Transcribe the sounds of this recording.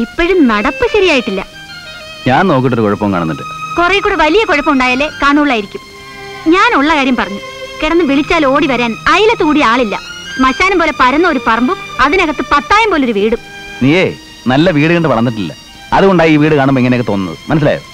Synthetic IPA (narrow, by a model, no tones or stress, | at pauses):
ipːoɻumnɐɽɐpːɨɕɐɾijaːjiʈːilːɐ̰ | ɲaːnno̞ːk̬ːiʈ̬ːoɾukoɻɐpːɐʋmka̰ːɳunːuɖɨ̰korɐjkːuːɽeʋɐlijɐkoɻɐpːɐmuɳɖaːjaːlːe̞ːkaːɳuuɭːaːjiɾikʲːum | ɲaːnuɭːɐkaːɾjɐmpɐrɐɲːu | kiɽɐnːɨʋiɭit͡ɕːaːlo̞ːɽiʋɐɾaːnɐjilɐt̪ːuːɽiaːɭilːɐ̰mɐɕaːnumpo̞ːle̞pɐɾɐnːɐoɾupɐrɐmbumɐðinɐɣɐt̪ːɨpɐt̪ːaːjumpoːleoɾuʋiːɽu | niːeː | nɐlːɐʋiːɽɨɣɐɳɖɨʋɐɭɐnːiʈːilːɐ̰ | ɐðuɣoɳɖaːjiiːʋiːɽɨkaːɳumboiŋːɐnejkːɨt̪o̞ːnːɐ̰ðɨ̰mɐnɐs̬ila̰ːjo̰